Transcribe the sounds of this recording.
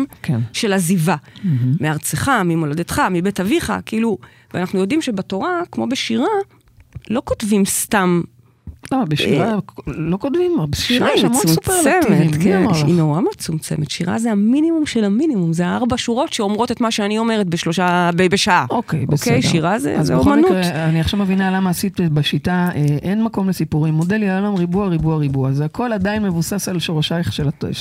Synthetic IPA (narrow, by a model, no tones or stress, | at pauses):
mkʰenʃe̞lazivameaʁt͡seχamimolodetχamibetaviχa̰kiilu | veanaχnujo̞dimʃebato̞ʁakmo̞beʃiʁa | lo̞kotvimstam | amabeʃiʁalokotvimbʃiaemumplemet̪keninoʁamet͡sumt͡se̞̰met̪ʃiʁa̰zeaminimumʃelaminimumzeaaʁbaʃuʁo̞tʃeomʁo̞tet̪maʃeanio̞me̞ʁet̚beʃlo̞ʃabebeʃaʔaokejʔbeskejdʃiʁazḛaz̰omanuʁeaniaχʃavmevinalamaːsit̪baʃitaeʔenmako̞mlesipuʁimːodeljaolamʁibuaʁibuaʁibuazeakʰo̞ladainmevusasalʃoʁaʃajχʃelatḛʃ